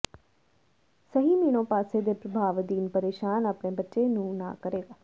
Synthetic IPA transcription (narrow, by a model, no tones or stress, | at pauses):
səɦiːmiːɽ̃õːpaːseːd̪eːpɾəbʱaːʋd̪iːnpəɾeːʃaːnaːpɳeːbətːʃeːnũːnã̰ːkəɾeːɡaː